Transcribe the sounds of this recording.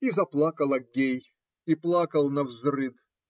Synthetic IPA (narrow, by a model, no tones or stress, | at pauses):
izɐplˠakəlˠɐɡʲej | iplˠakəlˠnɐvzrɨd̪